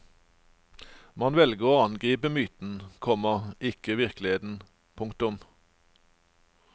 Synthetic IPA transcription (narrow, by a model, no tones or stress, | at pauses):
mɑnʋɛlɡəʁoːɑnɡʁiːpəmyːt̪n̩kʰɔməʁɪkəʋɪʁklɪheːt̪n̩ | pʰʊŋkt̪ʊm